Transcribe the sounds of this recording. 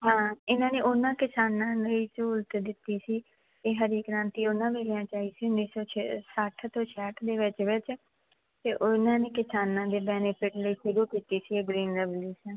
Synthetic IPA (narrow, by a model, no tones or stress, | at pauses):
ɦãːɪnãːneːʔʊnãːkɪsaːnãːləiːt͡ʃʊlt̪d̪ɪt̪ːiːsiː | eːɦəɾiːkɾãːnt̪iːʊnãːʋeːljãːt͡ʃaːiːsiːʊnːiːsɔːt͡ʃʰsəʈʰt̪õːt͡ʃʰeəʈʰd̪eːʋɪt͡ʃʋɪt͡ʃ | t̪eːʔʊnãːneːkɪsaːnãːd̪eːbɛːnepʰɪʈləiːʃʊɾuːkiːt̪iːsiːeɡɾiːnɾəʋliːsãː